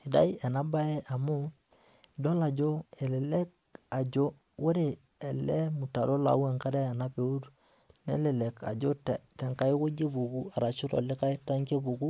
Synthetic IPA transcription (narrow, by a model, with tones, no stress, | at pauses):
i˨da̰˦jɛ˨na˦ba˦e˦ʔa˨mʊ˦ | i˨do˦la˨d͡ʒo˦e˨lɪ˨le˦k̚ | a˨d͡ʒo˦ | wo˦ɾe˨ | ɛ˨lɛ˦mu˨ta˨ɾo˦la̰˨˦we˦˨ŋka˦ɾe˦a˨na˦pe˨u˦ɾ | nḛ˦lɪ˨le˨ka̰˨d͡ʒo˦ttɛ˨ŋka˦ɪ˦ko˦d͡ʒe˦bu˨ku˦a˨ɾa˨t͡ʃʊ˦ɾo̰˨lɪ˦ka˦ɪ˦ta˦ŋke˦bu˨ku˦